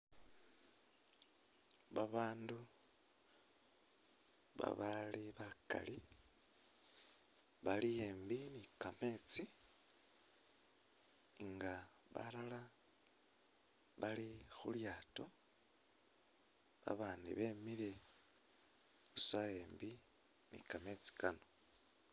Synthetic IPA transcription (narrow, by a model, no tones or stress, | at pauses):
βaβaːndu | βa̰βaliβaka̰li | βalijeːmbinikame̞t͡si | ŋɡa | βa̰lala | βalixṵljaːto | βa̰βaːndḭβe̞mile̞ | usajeːmbi | nḭkame̞t͡si̥kano̞